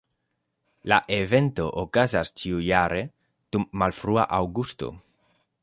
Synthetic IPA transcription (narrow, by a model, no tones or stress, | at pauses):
laʔevent̪oʔokazast͡ʃiujaɾe | d̪̥umːalfɾua̰ʔawɡust̪o̰